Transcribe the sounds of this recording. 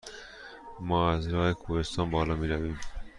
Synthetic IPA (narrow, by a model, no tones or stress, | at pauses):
mɒːæzɾɒːhekʰuːɾest̪ɒːnbɒːlɒːmiːɾæviːm